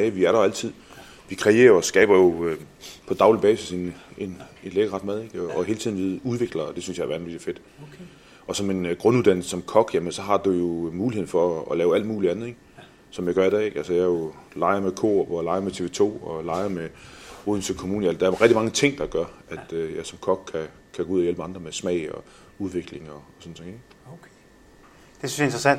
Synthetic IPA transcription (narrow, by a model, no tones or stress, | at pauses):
ʋiæɐɾɑæl̰t͡sʰið̞̰ˠ | ʋikʰʁɛe̝̰ːɐɐɒsɡ̥ɛ̰ːb̥ɐjo̝ | pʰɒ̽d̥ɑ̈ʊlib̥ɛːsise̝ne̝nenleɡ̥əʁɑ̈d̥mæð̞ˠe̝ɡ̥ɒːɦeːlt͡sʰiðˠn̩ʋeðˠuð̞ˠʋe̝ɡ̥lɐd̥e̝synsjɑʋæɐn̩ʋiɡ̥ife̝d̥ | ɒ̽sɒ̽me̝nɡ̥ʁɔ̽nuðˠd̥æn̰l̩səsɒ̽mkʰɒ̽ɡ̥jæmənsɒ̽ɦɑ̈d̥ujo̝muːlihe̝̰fɒ̽ːlɛːʊæl̰d̥muːliænð̩ˠe̝ɡ̥ | sɒ̽mjɑ̈ɪɡ̥ɶɐid̥ɛ̰ːe̝ɡ̥ælsəjɑ̈jo̝lɑ̈ɪɐmekʰo̝̰b̥ɒjlɑ̈ɪɐmet͡sʰe̝ʋe̝ːt͡sʰo̝̰ːɒlɑ̈ɪɐmeoðˠn̩sʰykʰomuːnəælsd̥ɑæɐʁɛɡ̥̚d̥imɑ̈ŋət͡sʰe̝ŋ̰d̥ɑ̈ɡ̥ɶɐæd̥øjɑɪsɒ̽mkʰɒ̽ɡ̥̚kʰæ | kʰæɡ̥ouðˠjelb̥əɑ̈nd̥ʁɐmesmɛɪɒ̽ | uð̞ˠʋe̝ɡ̥le̝ŋɒsɔ̽n̩t͡sʰe̝ŋeɡ̥ | d̥esyn̩sjɑe̝nd̥ʁɐsæn̰d̥